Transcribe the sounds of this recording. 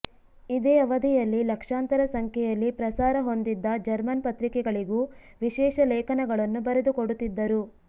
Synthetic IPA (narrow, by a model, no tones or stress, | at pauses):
id̪eːɐʋɐd̪ʱijɐlːilɐkʂaːnt̪ɐɾɐsɐŋkʰjɛjɐlːipɾɐsaːɾɐɦo̞nd̪id̪ːɐd͡ʒɐɾmɐnpɐt̪ɾikɛɡɐɭiɡuː | ʋiʃɛːʃɐlɛːkʰɐnɐɡɐɭɐnːubɐɾed̪ukoɽut̪ːid̪ːɐɾu